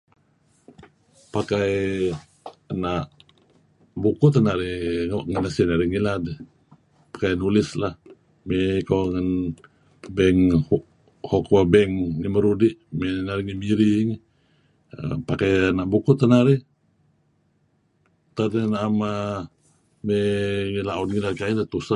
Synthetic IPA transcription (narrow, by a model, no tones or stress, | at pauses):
pakaj | naʔ | bukʊt̪ənaɾiŋaʔŋənasinaɾiŋilad | pḁkajnulɪslah | mɛkaŋan | bɛŋh | hokwabɛŋniməɾudiʔmɛnaɾiŋimiɾiŋ | ə̰pakajanaʔbukʊʔt̪ənaɾi | t̪adnaʔama | meŋilaudŋilaɾkailat̪usa